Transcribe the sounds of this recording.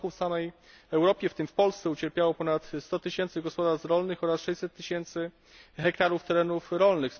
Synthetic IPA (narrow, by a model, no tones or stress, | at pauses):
kufsamɛj | ɛwɾɔpʲjɛft̪ɘmfpɔlst̪sɛut͡ɕɛɾpʲjawɔpɔnat̪st̪ɔt̪ɘɕɛnt̪sɘɡɔspɔd̪aɾsɾɔlnɘxɔɾasʂɛjsɛt̪ːɘɕɛnt̪sɘ | xɛkt̪aɾuft̪ɛɾɛnufɾɔlnɘxs